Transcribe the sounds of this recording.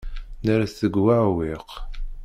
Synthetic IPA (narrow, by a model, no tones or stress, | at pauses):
nəɾaθəɡwaʕwiq